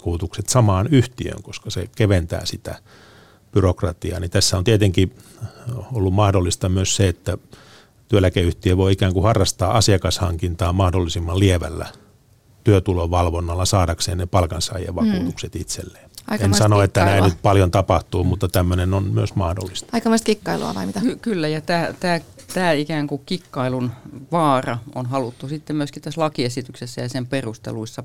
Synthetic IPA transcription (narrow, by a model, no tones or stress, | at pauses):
kuːt̪ukset̪sɑmɑːnyht̪iø̰ŋkoskɑsḛkeʋent̪æ̰ːsit̪æ̰ | b̥yrokrɑt̪iɑ̰ːnit̪æsːæont̪iet̪eŋki | olːummɑhdolːist̪ɑmyøsseet̪ːæ | t̪yølækeyht̪iøʋoiikæːŋkuhɑrːɑst̪ɑːʔɑsiɑkɑshɑŋkint̪ɑːmmɑhdolːisimːɑlieʋæ̰lːæ̰ | t̪yøt̪uloʋɑlʋonːɑlːɑsɑːdɑkseːnnepɑlkɑnsɑ̰ijḛʋɑkuːt̪ukset̪it̪sḛlːeːɑjensɑnoet̪ːænæinnyt̪̚pɑljont̪ɑpɑht̪uːmut̪ːɑt̪æmːønenonmyøsmɑhdo̰lːist̪ɑikɑmɑst̪kikːɑilṵɑ̰ʋɑ̰imit̪ækykylːæjɑt̪æːt̪æːt̪æːikæːŋkukikːɑilunʋɑːrɑonɦɑlut̪ːusit̪ːemyøskitt̪æslɑkiesit̪yksesːæjɑsemperust̪ḛluisːɑ